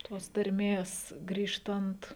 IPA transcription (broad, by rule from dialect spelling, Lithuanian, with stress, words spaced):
toːs tɐrʲˈmʲeːs ˈɡrʲiːʃtɐnt